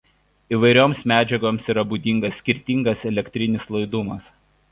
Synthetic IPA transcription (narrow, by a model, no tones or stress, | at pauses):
iːʋɐɪɾʲoːmsmʲæːd͡ʒʲɛɡoːmsiːɾɐbuːd̪ʲiŋɡɐsːʲkʲɪɾʲt̪ʲiŋɡɐsɛlʲɛkʲt̪ʲɾʲɪnʲɪslˠɐɪd̪ʊmɐs